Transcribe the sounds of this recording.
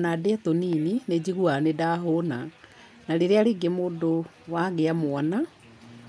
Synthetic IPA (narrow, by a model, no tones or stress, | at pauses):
nadɛt̪oninined͡ʑiɣuanedaːɦona | naɾeɾeaɾeːɡemoːdo | waɡeamwana